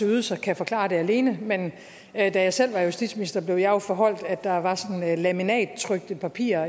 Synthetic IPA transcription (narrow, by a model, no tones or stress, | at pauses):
uːðˠsɒ̽kʰæfɒ̽kʰlɑ̰̈ːd̥e̝æle̝ːnəmen | d̥æjɑ̈ɪsel̰ʋɑ̈jusd̥id̥sminisd̥ɐb̥le̝ʊjʊfɒɦɒ̽l̰d̥æ̥ɑ̈ʋɑ̈sɒ̽nnlæminɛ̰ːd̥̚t͡sʰʁœɡ̥̚d̥əpʰæpʰḭːɐ